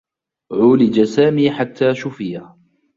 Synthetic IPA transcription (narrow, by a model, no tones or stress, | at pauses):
ʕʊːlɪd͡ʒasaːmiːħat̪ʰːaːʃʊfɪjah